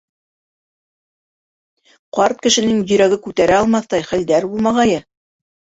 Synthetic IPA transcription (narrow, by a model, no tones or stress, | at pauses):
qɑɾt̪̚kɘ̆ʃɘ̆nɘŋjɵ̆ɾæɡɘkʉt̪æɾæɑlˠmɑθt̪ɑjχæld̪æɾbulˠmɑʁɑjɤ